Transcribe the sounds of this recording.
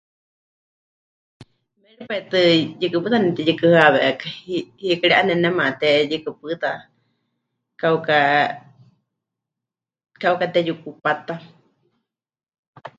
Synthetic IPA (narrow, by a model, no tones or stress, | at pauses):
mɛɺipait̪ɨjɨkɨpɨt̪anɛt̪ɛjɨkɨhaβɛʔkḁhikiɺiʔanɛnɛmat̪ɛjɨkɨpɨt̪a | kauka | kaukat̪ɛjukupat̪a